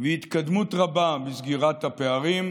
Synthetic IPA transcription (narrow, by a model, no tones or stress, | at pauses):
veit̪kad̪mut̪ʁababizɡiʁat̪hapeaʁim